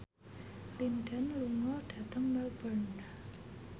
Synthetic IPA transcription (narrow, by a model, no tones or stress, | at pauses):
lindənluŋɔɖ̥a̤t̪əŋmabərn